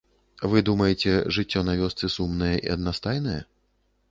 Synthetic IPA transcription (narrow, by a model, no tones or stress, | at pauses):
vɨd̪umɐjɛt͡sʲɛʐɨt͡sʲːɔnavʲɔst̪sɨsumnɨjɐʔḭɐd̪nast̪ajnɐjɐ̰